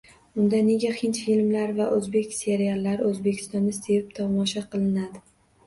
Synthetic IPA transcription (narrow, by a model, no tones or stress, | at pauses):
ʊnd̪ane̞ɡʲahɪnt̪filmlaɾvaʔɵzbe̞kʲse̞ɾialːaɾɪɵzbe̞kʲʰɪ̥st̪ɒnd̪ast̪e̞ɪp̚t̪ʰɒmɒʃaqʰɨlˠɪnad̪ɪ